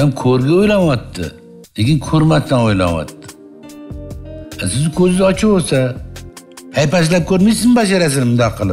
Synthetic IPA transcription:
amkʰɵɾɡʲaojlanwɒt̪ːɪ̰ | lekʲɪnkʰɵɾmast̪anojla̰nwa̰t̪ːɪ̥ | asɪzkʰʲɵzɪzɒt͡ʃʰɪbosa | hajpas̬lap̚kʰɵɾmijsɪnbaʃ̬aɾas̬ɪnmd̪aqʰːɨlˠɪ

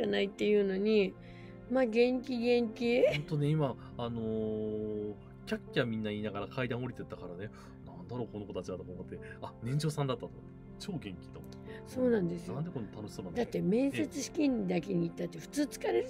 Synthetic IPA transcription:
anait̪ːe̞jɯ̟ːno̞ɲ̟i | maːɡẽ̞ŋkʲiɡẽ̞ŋkʲihõnt̪o̞ne̞imaː | no̞ | kʲakʲːiβamʲĩnːaiːnaɡaɾakʰaid̪ãɰ̃o̞ɾʲit̪e̞t̪ːakaɾane | nãnd̪aɾo̞ːko̞no̞kot̪at͡ɕiβat̪okaːmot̪ːe̞ | anẽ̞ɲ̟d͡ʑo̞ːsãnd̪at̪ːat̪omot̪ːt͡ɕo̞ːɡẽ̞ŋkʲi̥t̪o̰mt̪ːso̞ːnãnd̪e̞sɨnãnd̪e̞ko̞nːet̪ano̞ɕisonãnd̪at̪ːe̞mẽ̞ɰ̃se̞t͡sɨɕi̥kʲĩɲʲːid̪akeɲ̟iːt̪ːat̪ːe̞ɸɯ̟̥t͡sɨːt͡sɨ̥kaɾe

